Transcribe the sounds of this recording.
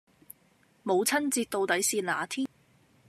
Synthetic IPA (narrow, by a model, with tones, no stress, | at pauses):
mo˨˧wt͡sʰɐ˥nt͡siː˧t̚t̪o˧wt̪ɐ˨˥jsiː˧nla̰ː˨˩t̪ʰiː˥n